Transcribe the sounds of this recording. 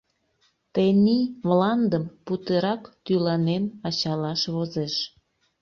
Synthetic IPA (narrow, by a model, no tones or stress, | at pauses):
t̪eniβlɑnd̪əmput̪eɾɑkt̪ylɑnenɑt͡ɕɑlɑʃβozeʃ